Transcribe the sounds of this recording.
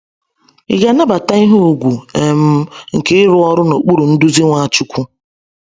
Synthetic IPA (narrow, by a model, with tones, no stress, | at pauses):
ḭ˨ɡa˨na˦ba˨ta˦i˦ɦo˦u˨ɡʷu˨e˨m̩˦ŋ̩˨ke˦ɪ˦ɾʊ˦ɔ˨ɾʊ˦no˨k͡pu˦ɾu˨n̩˦du˦zi˦ŋʷa˦˨t͡ʃu˦kʷu˦